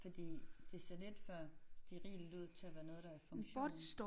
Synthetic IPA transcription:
fɒ̽d̥ḭːd̥e̝se̝ɐled̥fɶɐsd̥eʁḭːld̥uð̰ˠt͡sʰe̝æʋæːɐnɔ̽ːð̞̩ˠd̥ɑ̈æfɔ̽ŋɕɒd̥sd̥

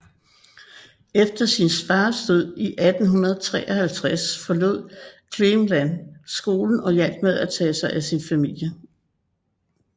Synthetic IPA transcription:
efd̥ɐsinsfɑ̈ːsd̥øð̰ˠiʔæd̥n̩ɦunɐð̞ˠt͡sʰʁɛ̰ːʔɒ̽hælt͡sʰʁasfɒ̽lo̝ð̞̰ˠkʰlemlænsɡ̥o̝ːln̩ɒ̽jæl̰ɡ̥með̰ˠæt͡sʰɛ̰ːsɑ̈ɪʔæsinfæmil̰jə

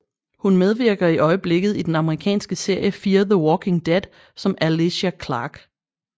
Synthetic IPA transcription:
hunmeð̞ˠʋiɐ̰ɡ̥ɐiʔɒ̽ɪəb̥le̝ɡ̥ð̞̩ˠid̥enɑ̈məʁikʰɛ̰ːnsɡ̥əse̝ɐ̰jəfiːɐðəwɒːkʰe̝ŋd̥ed̥ | sɒ̽mæliɕækʰlɑ̰̈ːɡ̥

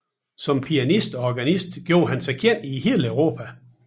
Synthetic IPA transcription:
sɒ̽mpʰiænisd̥ɒ̽ɒɡ̥ænisd̥ɡ̥jo̝ːɐɦænsɑɪkʰjen̰iheːlœʊʁo̝ːpʰæ

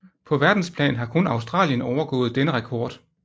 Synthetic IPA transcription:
pʰɒ̽ʋæɐd̥n̩spʰlɛ̰ːnɦɑ̈kʰɔ̽nɑ̈ʊsd̥ʁɑ̰̈ːljənɒʊɐɡ̥ɔ̰̽ːð̩ˠd̥enəʁɑkʰɒːd̥

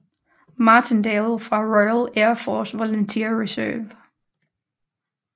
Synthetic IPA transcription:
mɑ̈ːt͡sʰend̥elˠfʁɑ̈ʁɔɪəleɐfɔːsʋolənt͡sʰiɐ̰ʁisœ̰ːʋ

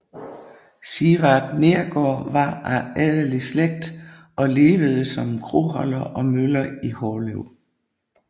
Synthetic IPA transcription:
siʁɑd̥ne̝ɐɡ̥ɒ̰ːʋɑ̈æɛðˠəlisleɡ̥̚d̥ | ʔɒ̽le̝ːʋəð̞ˠəsɒ̽mkʰʁo̰ɦɒlɐʔɒ̽mølɐihɒːløʊ̰

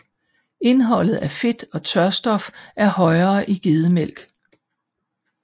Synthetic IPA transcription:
e̝nɦɒ̽l̰ð̞̩ˠæɐfe̝d̥ɒ̽t͡sʰɶɐsd̥ɒ̽fʔæɐhɒ̽ɪɐːʔiɡ̥e̝ð̞ˠəmel̰ɡ̥

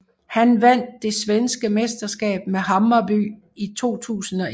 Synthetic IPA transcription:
hænʋæn̰d̥ːe̝sʋensɡ̥əmesd̥ɐsɡ̥ɛ̰ːb̥meɦɑ̈mɐby̰ː | it͡sʰo̝̰ːt͡sʰṵːsn̩ɒ̽

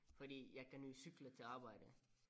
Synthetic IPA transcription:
fɒ̽dḭːjɑ̈ɪkʰæny̰ːsyɡ̥lət͡sʰe̝lɑ̈ːb̥ɑ̈ɪ̰də

